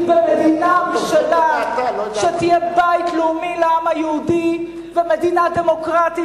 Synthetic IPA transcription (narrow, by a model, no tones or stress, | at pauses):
bemed̪inabiʃanaʃet̪ijebait̪leumileamhajeud̪i | vemed̪inademokʁat̪i